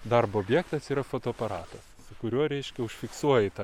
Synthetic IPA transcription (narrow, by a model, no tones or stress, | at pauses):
d̪ɐrboːbʲjɛːkt̪ɐsiːɾɐfoːt̪oːɐpɐɾɑːt̪ɐssʊkʊɾʲuɔɾʲɛɪʃʲkʲɛʊʃʲfʲɪksuɔjɛt̪ɑ